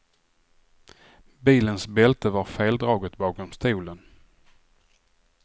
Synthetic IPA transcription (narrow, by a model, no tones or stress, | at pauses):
biːlənsbɛlt̪əvaɾfeːld̪ɾɑːɡət̪bɑːkɔmst̪uːlən